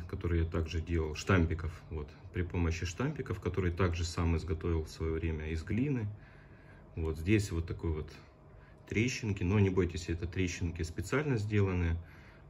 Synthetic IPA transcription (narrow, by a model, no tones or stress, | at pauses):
kɐt̪o̞ɾɨjat̪aɡʐɨdʲelˠəlˠʂt̪amʲpʲɪkəfvo̞t̪pɾʲɪpo̞məɕːɪʂt̪amʲpʲɪkəfkɐt̪o̞ɾɨjt̪aɡʐɨsamɪzɡɐt̪o̞vʲɪlˠfsvɐjo̞vɾʲemʲəɪzɡlʲinɨ | vo̞t̪zʲdʲesʲvo̞t̪ːɐko̞jvo̞t̪ː | ɾʲeɕːɪnkʲɪno̞nʲɪbo̞jtʲɪsʲɛt̪ət̪ɾʲeɕːɪnkʲɪspʲɪt̪sɨalʲnəzʲdʲe̞lˠənɨjə